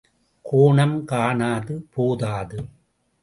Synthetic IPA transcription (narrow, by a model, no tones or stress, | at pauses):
kʰoːɳɐmkaːɳaːðɯpoːðaːðɯ